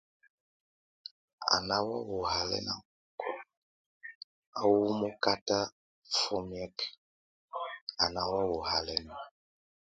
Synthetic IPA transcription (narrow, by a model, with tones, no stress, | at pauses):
a̰˨na˦wa˦wo˨ha˦lɛ̰˦na˨˦kɔ˨ | a˨wu˦mo˦ka˦ta˦ | fɔ˦mi˦ɛ˦k | a˨na˨wa˦wo˨ha˨lɛ˦na˨